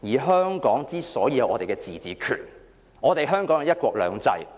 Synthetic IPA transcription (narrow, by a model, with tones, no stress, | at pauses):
jiː˨˩ɦœː˥ŋkɔː˨˥ŋt͡siː˥sɔː˨˥jiː˧jɐ˨˧wʔɔː˨˧t̪e˨˩kɛ˧t͡sḭː˨˩t͡siː˨kʰy̰ː˨˩n | ɔː˨˧t̪e˨jɦœː˥ŋkɔː˨˥ŋjɐ˨˧wjɐ˥t̚kʷɔː˧k̚lœ̰ː˨˧ŋt͡sɐ̰˧j